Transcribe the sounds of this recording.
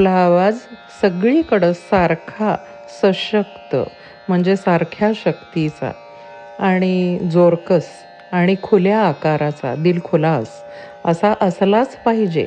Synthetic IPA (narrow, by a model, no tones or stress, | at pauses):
kʰlaːʋad͡z | səɡɭikəɽəsaɾkʰa | səɕəkt̪ə̰ | m̤əɳd͡zesaɾkʰjaɕəkt̪it͡sa̰ | aɽ̃id͡zoɾkəs | aɽ̃ikʰuljaːkaɾat͡sa̰d̪iːlkʰolas | əsaʔəslat͡spaɦid͡ʑḛ